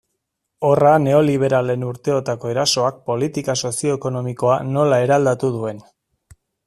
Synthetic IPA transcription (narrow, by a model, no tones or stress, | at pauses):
o̞rane̞o̞liβ̞e̞ɾale̞nuɾt̪e̞ot̪ako̞e̞ɾaso̞ak̚po̞lit̪ikaso̞sio̞eko̞no̞miko̞ano̞lae̞ɾald̪at̪uð̞ue̞n